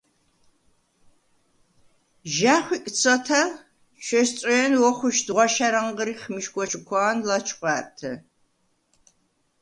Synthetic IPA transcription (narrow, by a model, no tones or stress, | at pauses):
ʒaːχʷiːkʼt͡sʰʼɐtʰɐl | ʃʷɐʃt͡sʼɔjɛnwɔχʷʊʃdʁʷɔʃɐɾɐɴʁəɾiːχmɨʃkʷʼɔt͡ʃʰʼɪkʷʰaːnlat͡ʃʰʼqʷʼɑːrtʰɐ